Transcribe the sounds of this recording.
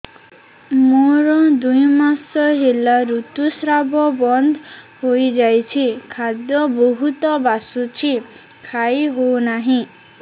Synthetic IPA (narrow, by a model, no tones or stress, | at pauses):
moɾɔd̪ujmasɔɦelaɾut̪usɾabɔbɔnd̪ʱɦojd͡ʒajt͡ʃʰikʰad̪jɔboɦut̪ɔbasut͡ʃʰi | kʰajɦownaɦĩ